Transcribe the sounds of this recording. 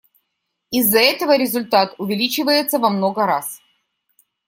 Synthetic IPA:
ɪzːɐɛt̪əvəɾʲɪzʊlʲt̪at̪ʊvʲɪlʲit͡ɕɪvəjɪt̪səvɐmno̞ɡəɾas

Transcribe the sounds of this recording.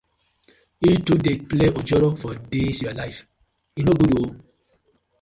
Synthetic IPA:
itudepleʔod͡ʒɔɾɔfɔdesjualajf | inoɡudoo

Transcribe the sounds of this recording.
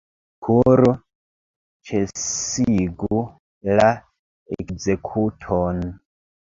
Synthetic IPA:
kʰuɾu | t͡ʃʰesiɡu | la | ḛkzekʰutʰon

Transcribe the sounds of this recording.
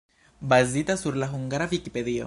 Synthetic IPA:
bazit̪asuɾlaɦuŋɡaɾaβikipeðio̰

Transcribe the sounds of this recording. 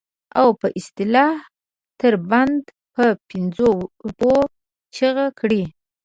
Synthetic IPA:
awpəʔɪst̪ɪlɑh | t̪əɾband̪ | pəpɪnzoubo | t͡ʃəɣakɽi

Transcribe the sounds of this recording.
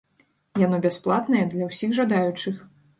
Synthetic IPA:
janɔbʲasplˠat̪nɐjɛd̪lʲɐwsʲixʐad̪ajut͡ʂɨx

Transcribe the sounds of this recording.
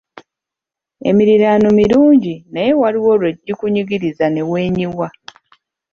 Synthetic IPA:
e̞̰miɾiɾaːnomiɾuːɲɟinaje̞waɾiwo̞ːlwe̞ɟːikuɲiɡiɾizane̞we̞ːɲiwa

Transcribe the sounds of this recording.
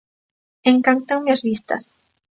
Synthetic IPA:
eŋkant̪aŋmeazβist̪ɐ̰s

